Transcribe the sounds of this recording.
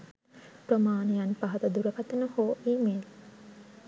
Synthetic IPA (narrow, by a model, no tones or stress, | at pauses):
pɾomaːnijanpaɦɐt̪ɐd̪uɾɐkɐt̪ɐnəhoːʔiːmel